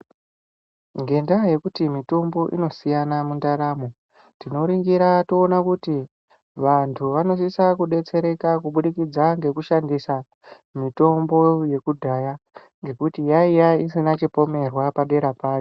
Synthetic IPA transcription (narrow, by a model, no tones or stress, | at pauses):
ŋɡe̞ndaje̞kutimito̞mbo̞ʔḭno̞sijanamundaɾaːmo̞ | tino̞ɾiŋɡiɾatoːnakuti | ʋantʰuʋano̞sisakuɗe̞t͡se̞ɾe̞kakuɓuɗikid͡zaŋɡe̞kuʃandisa | mito̞mbo̞je̞kudʱaja | ŋɡe̞kutijaijaisinat͡ʃipo̞me̞rwapaɗe̞ɾapaːjo